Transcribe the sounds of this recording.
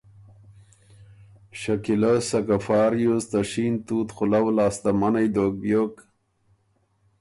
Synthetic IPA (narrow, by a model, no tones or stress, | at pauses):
ɕakilasɐkafɑːɾjost̪aɕint̪uːt̪xʊlawlaːst̪amanajd̪oːk̚bjok